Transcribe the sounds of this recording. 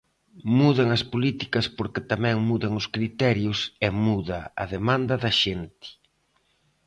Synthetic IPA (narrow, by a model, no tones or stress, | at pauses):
muðɐŋɐspolit̪ikɐspoɾkɪt̪amɛ̃ŋmuðɐŋʊskɾit̪ɛɾjʊsemuðɐɐ̰ðemãnd̪ɐðɐʃent̪ɪ̥